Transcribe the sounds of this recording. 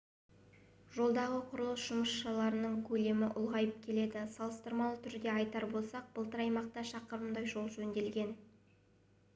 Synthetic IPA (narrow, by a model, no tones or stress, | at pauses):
ʒo̞lˠd̪ɑʁəqʰʊɾəlˠəsʒ̥ʊməsʃɑlˠɑɾənəɴkʲʰɵle̞mɪʔʊ̰lˠʁɑjəp̚kʲʰe̞le̞d̪ɪsɑlˠəst̪əɾmɑlˠət̪ʰʏɾd̪e̞ɑjt̪ɑɾbo̞lˠsɑq̚b̥əlˠt̪əɾɑjmɑq̚t̪ɑʃɑqəɾəmd̪ɑjʒo̞lˠʒɵnd̪e̞lɡʲe̞n